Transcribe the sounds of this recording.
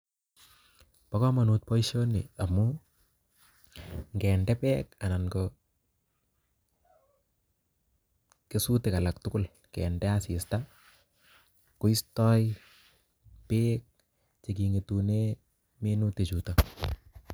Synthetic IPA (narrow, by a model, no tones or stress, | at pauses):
pakɔmanut̚pɔiʃoniamːu | ŋɡɛːndɛpɛːk̚ananɡɔ | kesutekalak̚tʊkʊl | kɛ̰ːndɛasista | kʊistɔj | pek̚ | t͡ʃekiŋetune | menutet͡ʃuta